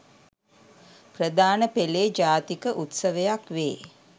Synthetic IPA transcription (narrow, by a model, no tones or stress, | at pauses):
prəd̪aːnəpeleːd͡ʒaːt̪ikəʔut̪səʋəjakʋeː